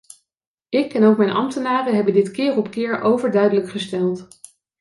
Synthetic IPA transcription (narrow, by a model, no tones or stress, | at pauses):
ɪkɛnowkmɛjnʔɑ̰mtənaːrəɦɛbəndɪtkɪːrɔpkɪːɹʔowvəɹdœɥdələkχəstɛlˠt